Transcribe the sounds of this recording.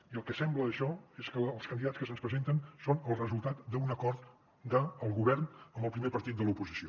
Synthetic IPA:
iəlˠkɛsɛmbləːʃɔeskəːlˠskənd̪iðatskəs̬ənspɾəzent̪ənsonəlˠrəzulˠt̪at̪d̪əunəkɔɾt̪ | d̪əːlˠɣuβɛrnəmbəlˠpɾimepəɾt̪it̪̚ələupuzisio

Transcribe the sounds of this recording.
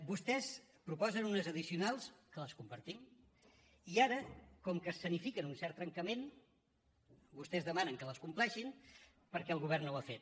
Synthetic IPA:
bust̪ɛs | pɾupɔzənunəzəðisiunalˠskələskumpəɾt̪im | iaɾəkɔmkəsːənifikənunsɛɾt̪ːɾəŋkəmen | bust̪ɛzðəmanəŋkələskumplɛʃin | pəɾkɛəlˠɣuβ̞ɛrnowafet̪̚

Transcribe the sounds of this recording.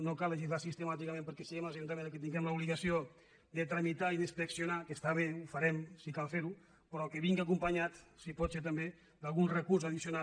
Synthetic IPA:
nokaləʒizlasist̪əmat̪̬ikamẽmpəɾkɛsiɣemlazʒunt̪̬amẽnd̪kət̪iŋɡɛmləuβliɣasio | d̪ət̪ɾamit̪aiðəspəksjonakəst̪aβeufaɾɛmsikalˠfeɾu | pɾɔkəβiŋɡakumpaɲat̪sipɔt̪seɾt̪̬əmbe | d̪alˠɣunrəkursaðisjona

